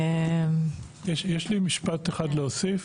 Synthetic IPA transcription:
em | jɛʃjɛʃlimiʃpateχadleosif

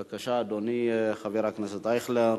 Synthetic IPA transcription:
bakaʃaːd̪onixaviɾaknɛset̪ajχleɾ

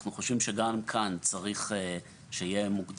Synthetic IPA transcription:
χnuχo̞ʃvimʃeɡamkʰant͡saʁiχe | ʃeije̞mukd

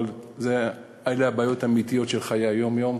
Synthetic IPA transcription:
lze | ajleabaːjo̞t̪amit̪ijo̞tʃelχajajo̞mjom

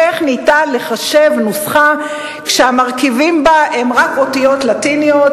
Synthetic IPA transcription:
eχnitale̞χaʃe̞vnusχa | kʃeamaʁkivimbaʔemʁakotijotlatinijot

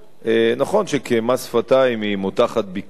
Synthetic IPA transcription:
ʔenaχo̞nʃekemasfataimimutaχat̪̚bik

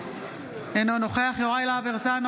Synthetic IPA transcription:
enonoχeaχjoʁajlaveʁt͡san

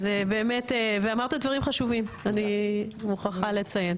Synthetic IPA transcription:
zebeːme̞teveamaʁt̪advaʁimχaʃuvimanimuχaχalet͡saje̞n

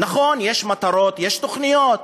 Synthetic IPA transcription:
naχo̞njeʃmat̪aɾo̞t̪jeʃt̪oχnijo̞t̪

